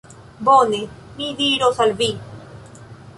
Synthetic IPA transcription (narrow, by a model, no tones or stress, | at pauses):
bone | mid̪iɾosalvi